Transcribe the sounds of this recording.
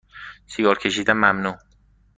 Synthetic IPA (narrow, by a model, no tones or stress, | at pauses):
sijɒːɾcʲʰe̞ʃiːd̪ænmæmnuː